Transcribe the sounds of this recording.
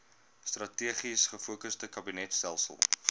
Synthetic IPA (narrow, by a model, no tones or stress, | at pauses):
strɐtiəχisχəfuəkəsdəkɐbinɛtstælˠsə̰lˠ